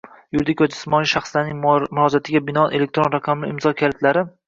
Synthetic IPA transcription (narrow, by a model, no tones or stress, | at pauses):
jʊɾd̪ɪkʲʰɒd͡ʒɪsmɒnɪʃaχslaɾnɪŋmʊɾɒd͡ʒat̪ʰɪɡʲabɪnɒʔelek̚t̪ɾonɾaqʰɑmlɪɪmzɒkʲʰalɪt̪laɾɪ